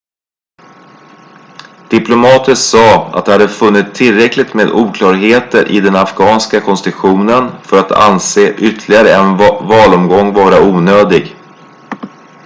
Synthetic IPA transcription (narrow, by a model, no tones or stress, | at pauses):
d̪̥ɪplʊmɑːt̪ʰəsɑːa̰t̪̚d̪ɛhad̪ːəfɵnːɪt̪sʰːɪlɾɛklɪt̪meːd̪uːkʰlɑːɾɦeːt̪əɾʔɪ̰d̪ɛnafɡɑːnskakʰɔnst̪ɪɧuːnənfœɾat̪ʰa̰nseːʔʏt̪ʰlɪɡaɾəɛnvɑːlɔmɡɔŋːvɑːɾauːnøːd̪ɪɡ